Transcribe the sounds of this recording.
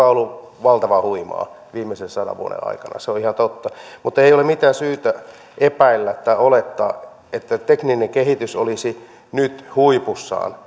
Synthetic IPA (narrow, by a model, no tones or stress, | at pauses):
ɑolːu | ʋɑlt̪ɑʋɑhuimɑ̰ː | ʋiːmːˑesensɑdɑ̰ʋuo̰nḛɑ̰ikɑnɑ̰seoihɑnt̪ot̪ːɑmut̪ːeijolemit̪æːsyːt̪æ | ʔepæilːæt̪ːɑiolet̪ːɑ̰ː | et̪ːæt̪eknineŋkehit̪ysolisi | nyt̪huipusːɑ̰ːn